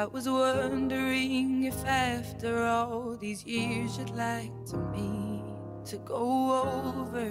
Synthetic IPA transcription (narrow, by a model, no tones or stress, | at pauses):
ɪʔwʌzwʌ̃ndə˞ɪ̃ŋɨfæftə˞ɔlˠðizjɪɹzɨdˡlaɪk̚tʰɨbi | ɾɨɡoʊoʊvə˞